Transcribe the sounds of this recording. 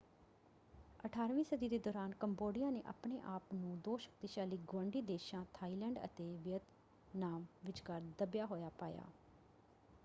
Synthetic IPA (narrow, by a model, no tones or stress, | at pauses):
əʈʰaːɾʋĩːsəd̪iːd̪eːd̪oːɾaːnkəmboːɖɪjãːneːʔa̰ːpɳḛːʔaːpnũːd̪oːʃə̥k̚t̪iːʃaːliːɡʊwə̃ɳɖiːd̪eːʃãːt̪ʰaːiːlɛːɳɖə̰t̪eːʋɪət̪ | naːmʋɪt͡ʃkəɾd̪əbjaːɦoːjaːpaːja̰ː